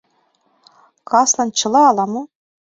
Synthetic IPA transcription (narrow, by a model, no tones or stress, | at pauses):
kɑsnɑnt͡ɕɤ̆lˠɑːlˠɑmo